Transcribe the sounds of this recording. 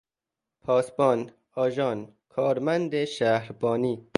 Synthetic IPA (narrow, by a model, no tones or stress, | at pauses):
pʰɒːsbɒːn | ɒːʒɒːn | kʰɒːɾmænd̪eʃæhɾbɒːniː